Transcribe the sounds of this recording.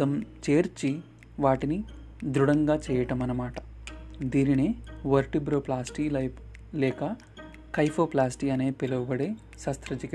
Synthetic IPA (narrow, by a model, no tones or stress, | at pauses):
ɐmt͡ʃe̞ːɾt͡ʃi | ʋaːʈini | d̪ɾuɽɐŋɡaːt͡ʃɛːjɐʈɐmɐnɐmaːʈɐ̥d̪iːnineːʋɐɾʈibɾoːplaːsʈiːɐ | lɛːkɐ | kɐjpʰoːplaːsʈiːɐne̞ːpelɐʋɐbɐɽeː | sɐst̪ɾɐd͡ʒik